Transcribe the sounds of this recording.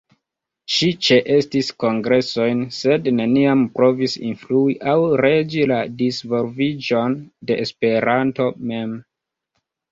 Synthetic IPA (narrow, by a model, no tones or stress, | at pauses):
ʃit͡ʃe̞ʔe̞stisko̞ŋɡɾe̞so̞jnse̞dne̞niampɾo̞visḭnfluiʔawɾe̞d͡ʒiladisvo̞lvid͡ʒo̞nde̞espe̞ɾanto̞me̞m